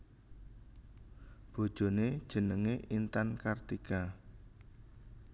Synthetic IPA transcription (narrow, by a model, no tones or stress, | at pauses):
b̥o̤d̥ʒ̥o̤ned̥ʒ̥ə̤nəŋeʔint̪ankart̪ika